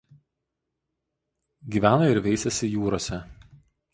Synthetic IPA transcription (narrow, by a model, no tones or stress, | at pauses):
ɡʲiːʋʲæːnoːɪɾʋʲɛɪsʲɛsʲɪjuːɾoːsʲɛ